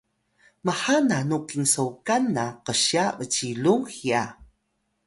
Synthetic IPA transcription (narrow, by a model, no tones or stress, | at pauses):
maħananukiŋsəwkanaqəɕavəciluŋxia